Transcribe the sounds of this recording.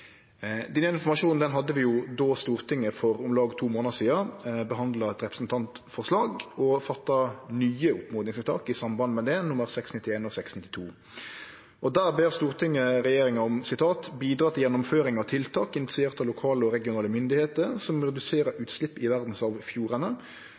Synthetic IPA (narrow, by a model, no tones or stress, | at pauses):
d̪ɛnːəɪnfɔʁmɑʂuːnn̩d̪ɛnɦɑd̪ːəʋɪjʊd̪oːst̪uːʁt̪ʰɪŋːəfɔɾɔmlɑːɡt̪ʰuːmoːnəsiːɑbəɦɑnd̪lɑɛt̪ɾɛpɾəsnt̪ʰɑnt̪ | fɔʁʂlɑːɡɔfɑt̪ːɑnyːəʊpːmoːd̪ɪŋsɑt̪ʰɑ̰ːkɪsɑmbɑnmɛd̪ɛnʊməɾsɛksnɪt̪ːɪeːnɔsɛksnɪt̪ːɪ̥t̪ʰuː | ɔd̪æːʁbeːɾst̪uːʁt̪ʰɪŋːəɾɛjeːɾɪŋɑɔmsɪt̪ʰɑːt̪biːd̪ɾɑːt̪ʰɪljɛnːʊmføːɾɪŋɑʋt̪ʰɪlt̪ʰɑːkɪnɪt̪ɪsɪeːʁt̪ɑlʊkʰɑːləɔɾɛɡɪʊnɑːləmʏnd̪ɪheːt̪əɾsɔmɾɛd̪ʉseːɾəɾʉːt̪slɪpːɪʋæʁd̪n̩sɑʋfjuːɾənə